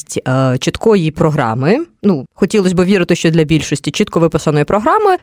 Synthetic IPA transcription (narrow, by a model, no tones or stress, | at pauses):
tʲt͡ʃɪt̪kɔjipɾɔɦɾɑ̰mɪnuxɔtʲilˠɔsʲbɨʋʲiɾɪt̪ɪʃt͡ʃɔd̪lʲɐbʲilʲʃɔsʲtʲit͡ʃit̪kɔʋɪpɪsɐnɔjipɾɔɦɾɑmɪ